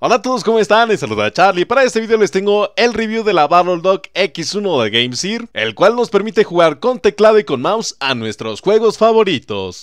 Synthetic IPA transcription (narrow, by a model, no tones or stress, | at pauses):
olat̪o̞ðo̞s̬ko̞moe̞st̪anesaluðat͡ʃaɾlipaɾae̞st̪eiðeolest̪e̞ŋɡo̞e̞lreβjuðe̞laβaɾold̪oke̞kisunoðeɣejmsiɾe̞̰lkwalno̞speɾmit̪e̞xuɣaɾko̞nt̪eklaðo̞iko̞nmawsanwe̞st̪ɾo̞sxwe̞ɣo̞sfaβo̞ɾit̪o̞̰s